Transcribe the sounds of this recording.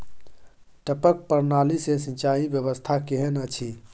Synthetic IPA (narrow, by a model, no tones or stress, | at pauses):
ʈəpək̚pəɾnalisesĩt͡ʃaibjəβəst̪ʰakeɦənət͡ʃʰi